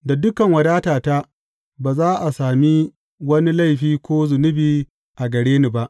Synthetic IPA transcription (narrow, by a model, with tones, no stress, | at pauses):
da˨dʊ˦kɐ˨ŋwɐ˨daː˦taː˨ta˦ | baː˨zaː˦ʔa˨saː˨mi˦ | wɐ˦ni˦la˦jɸiː˦kʷoː˦zʊ˨nʊ˦biː˦ | ʔa˨ɡɐ˨ɽeː˦ni˨ba˦ʔ